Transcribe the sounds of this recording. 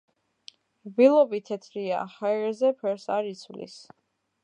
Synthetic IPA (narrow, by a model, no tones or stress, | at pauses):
bilˠɔbit̪ʰɛt̪ʰɾia̰haɛɾzɛpʰɛɾsaɾit̪sʰvlḭs